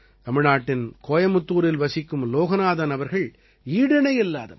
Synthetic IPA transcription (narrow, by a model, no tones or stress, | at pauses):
t̪ɐmɪɳaːʈːɪnkoːjɐmʊt̪ːuːɾɪlʋɐsɪkːɯmloːɣɐnaːðɐnɐʋɐɾɣɐɭ | iːɽɪnɐɪɪlːa̰ːðɐ̰